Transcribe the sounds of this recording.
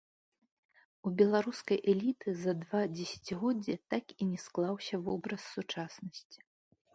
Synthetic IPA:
ubʲɛlˠaɾuskɐjʔɛlʲit̪ɨzɐd̪vad͡zʲɛsʲɐ̥t͡sʲɣɔd͡zʲːɛt̪akinʲɛsklˠawsʲɐvɔbɾɐsːut͡ʂasnɐsʲt͡sʲi̥

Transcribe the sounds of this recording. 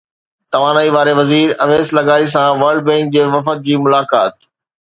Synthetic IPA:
t̪ɐʋaːnaːiʋaːɾeʋɐziːɾɐʋeːslɐɡaːɾis̬ãʋɐːɾɖ̚bɛ̃ːŋk̚d͡ʑeːʋɐfət̪̚d͡ʑiːmʊlaːkaːt̪

